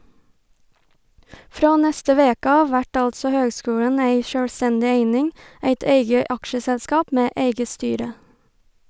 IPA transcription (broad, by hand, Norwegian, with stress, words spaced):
ˈfɾɑː ˈnɛstə ˈʋeːkə ˈɑːʋ ˈʋæʈ ˈɑltsɔ ˈhøːɡˌskʉːlən ˈeɪ ʃœlˈstɛndɪ ˈeɪnɪŋ ˈeɪt ˈeɪɡə ˈɑkʃəsɛlˌskɑːp ˈmeː ˈeɪɡə ˈstyːɾə